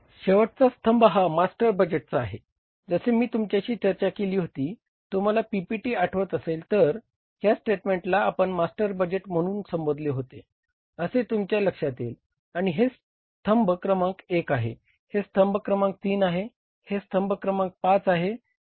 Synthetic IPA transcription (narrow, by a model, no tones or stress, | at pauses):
ɕeʋəʈ̚t͡sast̪ʰəmbɦamasʈəɾbəd͡ʑeʈ̚t͡saaɦe | d͡zəsemiːt̪umt͡ɕjaɕiːt͡ɕəɾt͡ɕakeliːɦot̪iː | t̪um̤alapipiʈiːaʈʰʋət̪əselt̪əɾ | ɦjasʈeʈmẽɳʈlaːpəɳmasʈəɾbəd͡ʑeʈm̤əɽ̃uːnsəmbod̪ʱleɦot̪e | əset̪umt͡ɕjaləkʂat̪il | aɽ̃iɦes | t̪ʰəmbkɾəmãŋkekaɦḛ | hest̪ʰəmbkɾəmãŋk̚t̪iːnaɦe | hest̪ʰəmbkɾəmãŋk̚pat͡saɦe